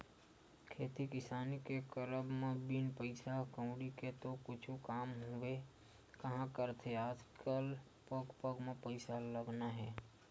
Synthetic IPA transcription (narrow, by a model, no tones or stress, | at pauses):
kʰeːt̪ikɪsaːnikekəɾəbmebinpəɪsakə̃ʊ̃ɽiket̪okʊt͡ʃʰukaːmɦoe | kəɦãkəɾt̪ʰeaːd͡ʒkəl | pəɡpəɡmepəɪsaləɡnaɦɛː